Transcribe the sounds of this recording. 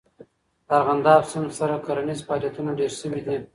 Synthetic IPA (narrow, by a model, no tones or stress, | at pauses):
aɾɣand̪ɑfsʊnsaɾakaɾanizfɑljat̪unaɖeɾʃəwid̪i